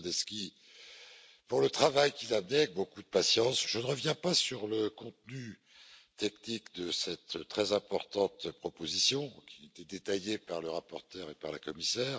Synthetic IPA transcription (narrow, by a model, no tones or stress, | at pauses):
d̪ɛskʲi | puʁlət̪χavajkʲilamnɛavɛk̚bokud̪əpasjɑ̃sʒ̥ənəʁəvjɛ̃pasyʁləkɔ̃t̪ny | t̪ɛknikd̪əsɛt̪t̪ːχɛzɛ̃pɔʁt̪ɑ̃t̪pχɔpozisjɔ̃kʲiaet̪ed̪et̪ajepaʁləʁapɔʁt̪œʁepaʁlakɔmisɛːʁ